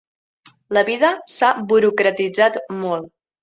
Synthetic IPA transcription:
ləβiðəsabuɾukɾət̪id͡zat̪mɔlˠ

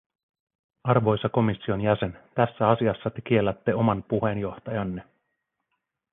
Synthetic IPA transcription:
ɑrʋo̞jsɑko̞misːio̞njæse̞nt̪æsːæɑsiɑsːɑt̪e̞k̟ie̞lːæt̪ːe̞o̞mɑnpuɦe̞njo̞ht̪ɑjɑnːe

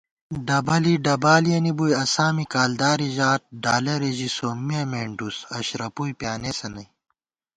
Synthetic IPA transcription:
ɖɐbɐliɖɐbaːlijɐnibujɐsaːmikaːld̪aːɾiʑaːt̪̚ɖaːlɐɾeʑisoːmːijɐmeːɳɖusɐɕɾɐpujpjaːnesɐnɐj

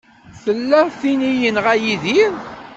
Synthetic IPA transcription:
θəlːæθinijənʁæjiðiɾ

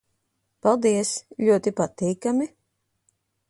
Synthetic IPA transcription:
palˠd̪iɛslʲuɔt̪ipat̪iːkamʲi

